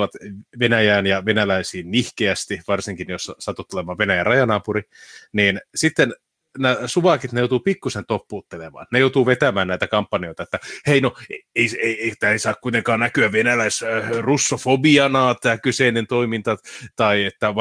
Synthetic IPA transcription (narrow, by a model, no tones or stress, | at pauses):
ʋɑt̪ʋenæjæːnjɑʋenælæisiːnnihkeæst̪iʋɑrsiŋkinjosɑsɑt̪ːut̪ːulemɑːʋʋenæjærɑjɑnɑːpuriniːnsit̪ːen | næsuʋɑkit̪nejout̪uːpikːusent̪opːuːt̪ːelemɑ̰ːnnejout̪uːʋet̪æmæːnnæit̪ækɑmpːɑnijoit̪ɑet̪ːæheinoeeiseieit̪æeisɑːkkuit̪eŋkɑːnnækyæʋʋenælæisrusːofobiɑnɑːt̪æːkyseinent̪oimint̪ɑt̪ɑiet̪ːæ